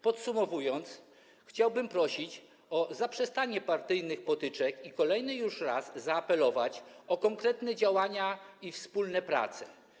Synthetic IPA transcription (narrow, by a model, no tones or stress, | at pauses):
pɔt̪sumɔvujɔnt̪s | xt͡ɕawbɘmpɾɔɕit͡ɕ | ɔzapʂɛst̪aɲɛpaɾt̪ɘjnɘxpɔt̪ɘt͡ʂɛkikɔlɛjnɘjuʂɾa̰zːaːpɛlɔvat͡ɕɔkɔŋkɾɛt̪nɛd͡ʑawaɲaifspulnɛpɾa̰t̪sɛ̥